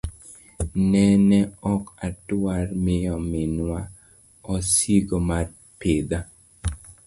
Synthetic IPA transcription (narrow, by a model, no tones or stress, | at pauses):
nɛnɛɔkatwarmɪjɔmɪnwa | ɔsiɡomar | pɪd̪a